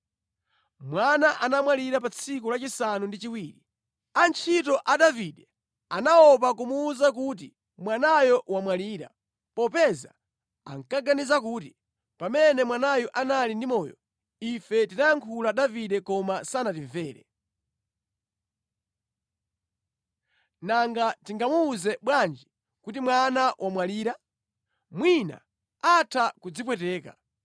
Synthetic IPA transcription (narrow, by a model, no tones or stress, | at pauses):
mwanaʔanamwaliɾap̬at͡sʰikulat͡ʃisanundit͡ʃiwiːɾi | ant͡ʃʰitɔʔaɗaviɗɛ | anaɔp̬akumuːzakut̬i | mwanajɔwamwaliːɾa̰ | pɔpɛza̰ | a̰ŋkaɡanizakuːti | pamɛnɛmwanajɔʔanalindimɔːjɔ̰ | ifɛtinajaŋkʰulaɗaviɗɛkɔmasanatiɱvɛːɾɛ̰ | naŋɡatiŋɡamuːzɛɓwand͡ʒi | kutimwanawʔamwaliːɾa | mwina̰ | atʰakud͡zip̬wɛtɛːka̰